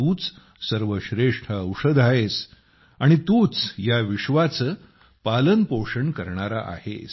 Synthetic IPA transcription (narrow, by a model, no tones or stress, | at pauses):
uːt͡s | səɾʋəɕɾeʂʈʰəːwʂəd̪ʱaɦes | aɽ̃it̪uːt͡sjaʋiʂʋat͡sə | palənpoʂəɳkəɾɳaɾaʔa̰hḛs